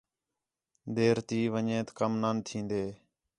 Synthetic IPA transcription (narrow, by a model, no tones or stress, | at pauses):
d̪eːɾt̪iːʋəɲẽːt̪kəmnaːnt̪ʰĩːnd̪eː